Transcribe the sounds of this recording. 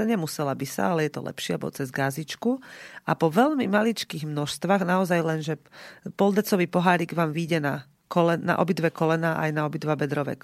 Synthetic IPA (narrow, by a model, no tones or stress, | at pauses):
aɲɛmusɛlabisa̰alɛjɛt̪ɔ̰lɛ̰pʃɪɛabɔ̰t͡sɛzɡazit͡ʃkuapɔʋɛʎmimalit͡ʃkiːɣmnɔʃst̪ʋaːɣnaɔzajlɛnʒɛpɔld̪ɛt͡sɔʋiːpɔɦaːɾiːɡʋaːmʋiːɟɛna | kɔlɛna̰ʔɔ̰bid̪ʋɛkɔlɛnaːʔa̰jnaɔbid̪ʋabɛd̪ɾɔʋɛ̰k